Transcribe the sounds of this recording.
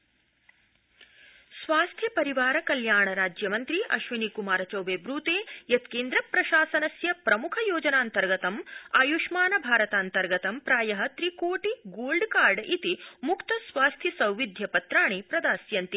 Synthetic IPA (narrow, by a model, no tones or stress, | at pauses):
sʋaːst̪ʰjɐpɐɾiʋaːɾɐkɐljaːɳɐɾaːd͡ʒjɐmɐnt̪ɾiʔɐ̰ʃʋinikumaːɾɐt͡ʃɐwbeːbɾuːt̪eːjɐt̪keːnd̪ɾɐpɾɐʃaːsɐnɐsjɐpɾɐmukʰɐjoːd͡ʒɐnaːnt̪ɐɾɡɐt̪ɐmaːjuʃmaːnɐbʱaːɾɐt̪aːnt̪ɐɾɡɐt̪ɐmpɾaːjɐɦɐt̪ɾikoːʈiɡoːlɖkaːɾɖʔit̪imukt̪ɐsʋaːst̪ʰjisɐwʋid̪ʱjɐpɐt̪ɾaːɳeːpɾɐd̪aːsjɐnt̪i